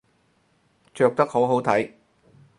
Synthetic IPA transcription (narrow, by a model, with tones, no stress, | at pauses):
t͡ʃœː˧k̚t̪ɐ˥k̚ho˨˥wɦo˨˥wt̪ʰɐ˨˥j